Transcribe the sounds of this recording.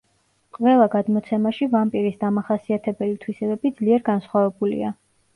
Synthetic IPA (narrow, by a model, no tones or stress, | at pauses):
qʼvɛlˠaɡad̪mɔt̪sʰɛmaʃivampʼiɾisd̪amaχasiat̪ʰɛbɛlit̪ʰwisɛbɛbid̪z̥liɛɾɡansχwavɛbulḭa